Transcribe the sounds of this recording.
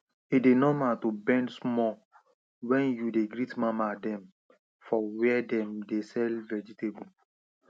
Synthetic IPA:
idenɔmatubɛ̃ndsmɔ | wɛ̃njudeɡɹitmamadɛ̃m | fɔwɛdɛ̃mdesɛlvɛd͡ʒitebu

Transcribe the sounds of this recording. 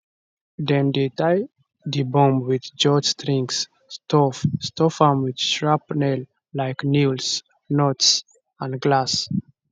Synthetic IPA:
dɛ̃md̪etaj | dibɔ̃mwiðd͡ʒɔtstʰɹĩŋks | stʰɔfstɔfãmwidʃɹapnɛl | lajknils | nots | ãndɡlas

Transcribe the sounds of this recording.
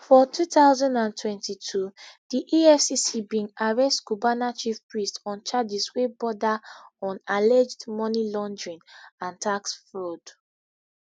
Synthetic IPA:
fɔtʰutaʊzɔ̃ndãntʰwɛ̃ntitʰud̥iʔiɛfsisibĩŋaɹɛstɡ̥ubanat͡ʃifpɹistɔ̃nt͡ʃad͡ʒiswebɔdaɔ̃nalɛd͡ʒdmɔnilɔ̃ndɹĩnãntʰaksfɹod

